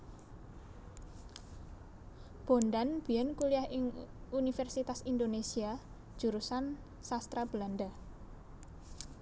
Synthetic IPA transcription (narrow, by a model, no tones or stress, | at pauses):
b̥o̤nd̪anb̥i̤jɛnkuliahɪŋunifɛrsit̪asind̪onesiḁ | ʒ̥ṳɾusan | sast̪ɾab̥land̪a